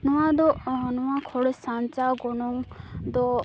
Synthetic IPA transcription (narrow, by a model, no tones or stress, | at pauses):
nɔwad̪ɔnɔwakʰɔɽesant͡ʃaɡɔnɔŋd̪ɔ